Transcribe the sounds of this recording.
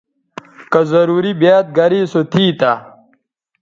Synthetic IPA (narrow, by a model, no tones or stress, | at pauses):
kɐzɐɾuːɾibjaːt̪̚ɡɐɾiːsot̪ʰiːt̪a